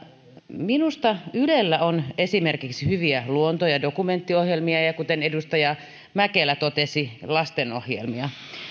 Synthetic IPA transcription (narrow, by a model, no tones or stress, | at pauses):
minust̪ɑylelːæonesimerkiksihyʋiæluont̪ojɑdokument̪ːiohjelmiɑjɑkut̪enedust̪ɑjɑ | mækelæt̪ot̪esilɑst̪enohjḛlmiɑ